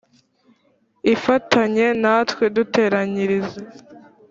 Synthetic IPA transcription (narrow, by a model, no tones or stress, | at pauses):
ifatʰaɲe̞natwedute̞ːɾaɲiɾize